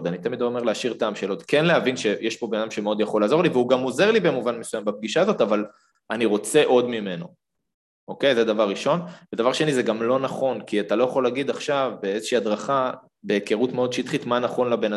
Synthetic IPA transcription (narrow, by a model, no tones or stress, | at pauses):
d̪anit̪amid̪lome̞ʁleaʃiʁt̪aːmʃelo̞t̪kenleavinʃe̞jeʃpo̞benad̪amʃemeo̞d̪jaχo̞lːaːzo̞ʁliveuɡamo̞ze̞ʁlibemuvanmesujambap̚ɡiʃazo̞t̪aval | aniʁo̞t͡se̞ʔo̞d̪mime̞no̞̰ | ʔo̞ke̞jzed̪avaʁːiʃo̞nved̪avaʁʃenizeɡamlo̞naχo̞nkiat̪alo̞jaχo̞leaɡid̪aχʃavbeezeʃiːad̪ʁaχa | be̞keʁutmeo̞d̪ʃit̪χit̪manaχo̞nlabe̞na